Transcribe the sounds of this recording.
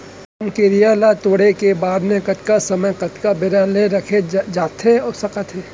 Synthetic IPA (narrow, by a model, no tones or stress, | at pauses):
ɐmkiɾɪjaːlat̪oːɽekebaːd̪nekɐt̪kasɐməjkɐt̪kabɪɾaleɾɐkʰed͡ʒaːt̪eoːsɐkət̪ʰɦeː